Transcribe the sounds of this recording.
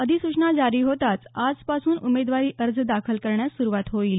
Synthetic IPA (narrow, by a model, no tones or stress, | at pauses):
əd̪ʱisuʂnad͡zaɾiːɦot̪at͡sad͡zpasuːnumed̪ʋaɾiːʔəɾd͡zd̪akʰəlkəɾɳjasuɾuʋat̪ɦoil